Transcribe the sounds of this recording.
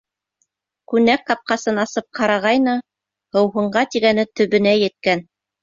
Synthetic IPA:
kʉnæk̚tɑp̚qɑsɤnɑsɤp̚qʰɑɾɑʁɑjnɤ | hɤ̆wɦɤ̆ɴɢɑt̪iɡænɘt̪ɵ̆βɘ̆næjɘ̆t̪̚kæn

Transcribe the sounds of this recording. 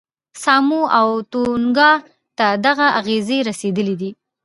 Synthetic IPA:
sɑmuawt̪oŋɡɑ | t̪ad̪aɣaʔaɣezeɾased̪əlid̪i

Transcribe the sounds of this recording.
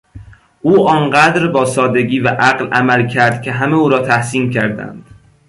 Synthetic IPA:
ʔuːʔɒːnɢæd̪ɾbɒːsɒːd̪e̞ɟiːvæʔæɣlʔæmælcʰæɾd̪̥kʲʰe̞ɦæmeuːɾɒːt̪ʰæhsiːmcʰæɾd̪æ̰nd̪̥

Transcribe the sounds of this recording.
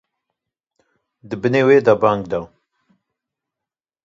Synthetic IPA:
d̪ɨbɨneweːd̪abaŋɡd̪aw

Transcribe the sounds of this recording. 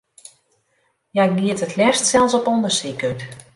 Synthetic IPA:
jaɡiətətʰlɛstsɛlˠsɔpɔndəsikət

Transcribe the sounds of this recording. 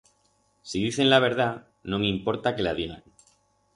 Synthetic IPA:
siðiθe̞nlaβ̞e̞ɾð̞a | nõŋĩmpo̞ɾt̪ake̞lað̞iɣa̰ŋ

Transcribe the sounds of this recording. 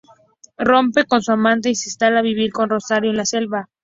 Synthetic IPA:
ro̞mpe̞ko̞nsuamãnt̪̬eisist̪alaβiβ̞iɾko̞nro̞saɾjoenlase̞lβa

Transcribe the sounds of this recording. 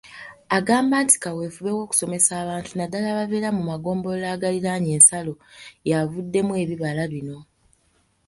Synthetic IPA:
aɡaːmbaːnti̥kawe̞ːfuβe̞wo̞ːku̥so̞me̞saːβaːntunadalaβave̞ːɾamumaɡo̞ːmbo̞laːɡaliɾaɲe̞ːnsalo̞javudːe̞mwe̞ːβiβalaβino̞

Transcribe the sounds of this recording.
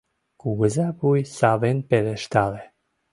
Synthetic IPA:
kuɣəzapujsavenpeleʃt̪ale

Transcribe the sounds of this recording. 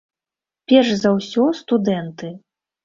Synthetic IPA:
pʲɛrʂzɐwsʲɔst̪ud̪ɛnt̪ɨ

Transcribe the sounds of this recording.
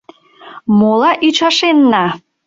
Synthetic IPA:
molɑʔyt͡ɕɑʃenːɑ

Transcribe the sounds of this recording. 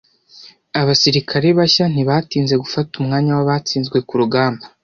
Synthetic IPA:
aβasiɾikʰaɾeβaçan̥iβatiːnze̞ɡufatumŋaːɲawaβaːt͡siːnzɡwe̞kuɾuɡaːmba

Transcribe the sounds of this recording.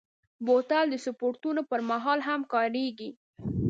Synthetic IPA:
bot̪ald̪əsʊpoɾt̪unopəɾmaɦɑlɦamkɑɾeɡi

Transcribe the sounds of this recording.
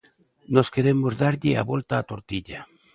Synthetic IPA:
noskeɾemozðaɾʎɪa̰βolt̪aːt̪oɾt̪iʎa

